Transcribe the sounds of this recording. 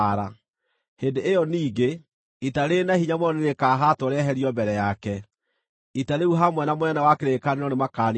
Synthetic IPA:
ɾa | hendeːjɔniːɡe | itaɾenahiɲamɔneɾekaɦatoɾɛɦɛɾiɔmbɛɾɛjakɛ | itaɾeuɦamwɛnamoɛnawakeɾekaneɾɔnemakan

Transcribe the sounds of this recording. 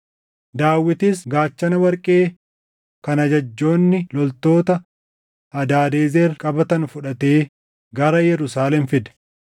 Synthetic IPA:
d̪aːwːɪt̪isɡaːt͡ʃːɐnɐwɐɾkʼe̞ː | kɐnɐd͡ʒɐd͡ʒːo̞ːnːɪlɔlt̪o̞ːt̪ɐ | hɐd̪aːd̪eːzeːrkʼɐbɐt̪ɐnfʊᶑɐt̪e̞ː | ɡɐɾɐjɛɾʊsaːlɛnfɪd̪ɛ̥

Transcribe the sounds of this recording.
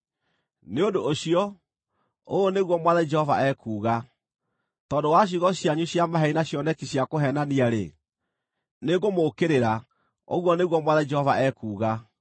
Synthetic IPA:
neodoːɕiɔ | ooneɣwɔmwaðad͡ʒɛhɔva̰ʔɛkuːɣa | tɔːndowaɕ̬iɣɔɕjaɲuɕiamaɦɛinaɕjɔnɛkiɕiakoɦɛnaniaɾe | neɡomokeɾeɾa | o̰ɣwɔneɣwɔmwaðad͡ʒɛhɔva̰ʔɛkuːɣa

